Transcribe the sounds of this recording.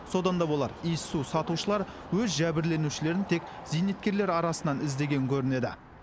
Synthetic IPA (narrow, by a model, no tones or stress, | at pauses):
so̞d̪ɑnd̪ɑbo̞lˠɑ̰ɾijsusɑt̪uʃəlˠɑɾ | wɵzʒæbɪɾle̞nuʃɪle̞ɾɪnt̪ʰe̞kʲ | zijnet̪̚kʲe̞ɾle̞ɾɑɾɑsənɑnɪzd̪e̞ɡʲe̞ŋkʲʰɵɾɪne̞d̪ɪ̰